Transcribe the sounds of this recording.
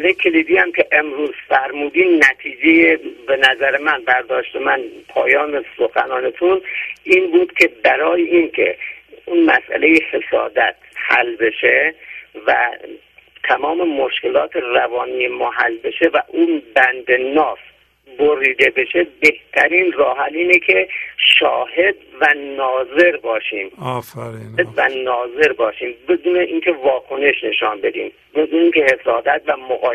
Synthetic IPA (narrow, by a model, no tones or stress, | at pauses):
lejkʲʰeliːd̪iːæmkʰe̞ʔemɾuːz̥fæɾmuːd̪iːmnæt̪ʰiːd͡ʒejebenæzæɾemænbæɾd̪ɒːʃt̪emænpʰɒ̰ːjɒːnesoxæ̰nɒːnet̪ʰuniːnbuːd̪̥kʰʲe̞bæɾɒːjeʔiːnkʰḛunmæ̰sʔæ̰le̞jehe̞sɒ̰ːd̪æt̪̚ʰhæ̰lbe̞ʃe̞væ̰ | t̪ʰæmɒːme̞moʃke̞lɒːt̪ʰerævɒːniːjemɒːɦæ̰lbe̞ʃevæʔuːnbænd̪enɒːs | boɾiːd̪e̞be̞ʃebeht̪ʰæɾiːnrɒːɦæliːnecʰe̞ʃɒːɦe̞d̪vænnɒːze̞ɾbɒːʃiːm | vænɒːze̞ɾbɒːʃiːmbed̪uːneʔiːnkʰe̞vɒːkʰo̞ne̞ʃne̞ʃɒːnbe̞d̪ḭːm | bed̪uːneiːŋcʰehe̞sɒːd̪æt̪̚væmoɣɒː